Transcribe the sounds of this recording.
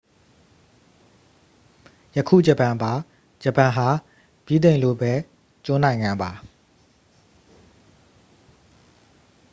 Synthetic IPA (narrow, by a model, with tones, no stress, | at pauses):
jə˨kʰṵ˦˨d͡ʑə˨pã˨mba˨ | d͡ʑə˨pã˨ɦa˨ | b̥i˦d̪ẽ˨ɪ̃lo̰˦˨bɛ˦ | t͡ɕõ˦nã˨ɪ̃ŋã˨mba˨